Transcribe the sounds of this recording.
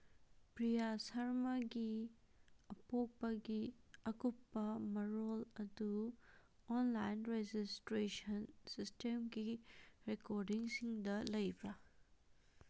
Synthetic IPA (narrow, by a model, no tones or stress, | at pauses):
pɾijasɐɾmɐɡi | ɐpok̚pɐɡiɐkupːɐmɐɾolɐdu | onlajnɾed͡ʒistɾesɐnsistemɡiɾekoɾdiŋsiŋdɐlɐjbɾɐ